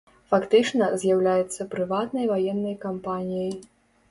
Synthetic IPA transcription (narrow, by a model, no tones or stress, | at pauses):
fakt̪ɨt͡ʂnɐzʲjawlʲajɛt̪sːɐpɾɨvat̪nɐjvajɛnːɐjkampanʲijɐj